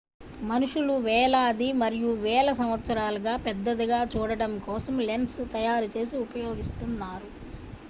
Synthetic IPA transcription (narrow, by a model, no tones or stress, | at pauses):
mɐnuʂuluʋɛːlaːɐd̪imɐɾijuʋɛːlɐsɐmʋɐt̪sɐɾaːlɐɡaːpɛd̪ːɐd̪iɡaːt͡ʃuːɽɐɽɐmkɔːsɐmlenst̪ɐjaːɾut͡ʃe̞ːsiupɐjo̞ːɡist̪unːaːɾu